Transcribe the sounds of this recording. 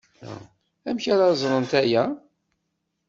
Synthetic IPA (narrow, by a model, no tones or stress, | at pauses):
æmçaɾazˤɾˤənt̪æjæ